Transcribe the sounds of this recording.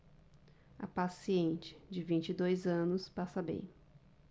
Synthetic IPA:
ɐ̰pasiẽnt͡ʃɪ̥d͡ʒɪvĩnt͡ʃɪd̪ojzɐ̃nʊspasɐbḛ̃j̃

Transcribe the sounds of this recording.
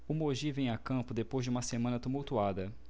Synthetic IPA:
umoʒivẽj̃akɐ̃pʊd̪epojzd͡ʒɪũmɐsemɐ̃nɐt̪umuwt̪uad̪ɐ

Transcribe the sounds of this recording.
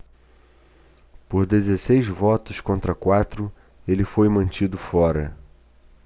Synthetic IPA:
poɾd̪ezesejzvɔt̪ʊskõnt̪ɾɐkwat̪ɾʊ | elɪfojmɐ̃nt͡ʃid̪ʊfɔɾɐ̰

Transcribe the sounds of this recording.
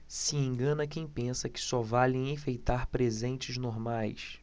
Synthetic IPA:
siẽŋɡɐ̃nɐkẽj̃pẽsɐkɪ̥sɔvalẽj̃ẽfejt̪aɾpɾezẽnt͡ʃɪznoɾmajs

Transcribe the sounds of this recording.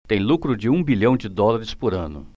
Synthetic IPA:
t̪ẽj̃lukɾʊd͡ʒɪũbiʎɐ̃w̃d͡ʒɪd̪ɔlaɾɪspʊɾɐ̃nʊ̰

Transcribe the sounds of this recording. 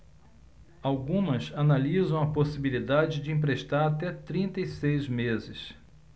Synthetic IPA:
awɡũmɐsanalizɐ̃w̃ɐposibilid̪ad͡ʒɪd͡ʒɪĩpɾeʃt̪aɾat̪ɛt̪ɾĩnt̪ɐisejzmezɪs

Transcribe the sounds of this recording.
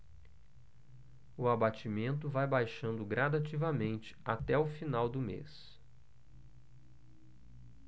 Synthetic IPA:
ʊabat͡ʃimẽnt̪ʊvajbajʃɐ̃nd̪ʊɡɾad̪at͡ʃivɐmẽnt͡ʃɪ̥at̪ɛʊfinawd̪ʊmḛs

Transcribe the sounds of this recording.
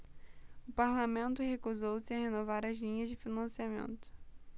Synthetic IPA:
ʊpaɾlamẽnt̪ʊhekuzowsɪɐhenovaɾɐzlĩɲɐzd͡ʒɪfinɐ̃siamḛ̃nt̪ʊ̥

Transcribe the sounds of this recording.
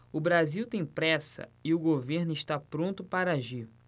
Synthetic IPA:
ʊbɾaziwt̪ẽj̃pɾɛsɐ̰ɪʊɡoveɾnʊɪʃt̪apɾõnt̪ʊpaɾɐaʒiɾ

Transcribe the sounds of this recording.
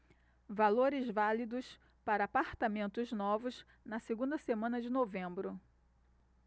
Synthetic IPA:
valoɾɪzvalid̪ʊs | paɾɐapaɾt̪amẽnt̪ʊznɔvʊz | nɐseɡũnd̪ɐsemɐ̃nɐd͡ʒɪnovẽmbɾʊ

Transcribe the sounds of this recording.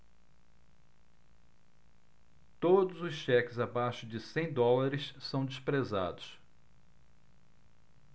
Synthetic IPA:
t̪od̪ʊzʊsʃɛkɪzabaʃʊd͡ʒɪsẽj̃d̪ɔlaɾɪssɐ̃w̃d͡ʒɪspɾeza̰d̪ʊs

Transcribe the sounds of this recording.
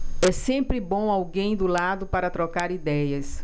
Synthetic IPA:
ɛsẽmpɾɪbõw̃awɡẽj̃d̪ʊlad̪ʊpaɾɐt̪ɾɔkaɾid̪ɛjɐs

